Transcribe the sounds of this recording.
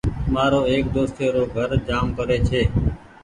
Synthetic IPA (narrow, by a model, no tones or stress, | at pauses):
maːɾoːeːkd̪oːst̪eːɾoːɡʱəɾd͡ʒaːmkəɾeːt͡ʃʰeː